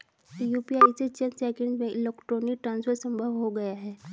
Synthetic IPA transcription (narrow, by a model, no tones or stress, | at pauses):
juːpiaːiset͡ʃɐnsɛːkɪ̃ɳɖmẽʔɪlɛːkʈɾoːnik̚ʈɾãːnspʰəɾsə̃mbʱəʋɦoɡɐjaɦɛː